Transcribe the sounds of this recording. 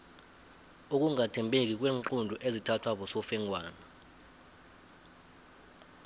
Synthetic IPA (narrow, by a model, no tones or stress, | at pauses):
uk̬ʼuŋatʰɛmbʱek̬ʼik̬ʼwɛːŋǃundʱɔʔezitʰatʰwaɓɔsɔfɛŋʱwaːna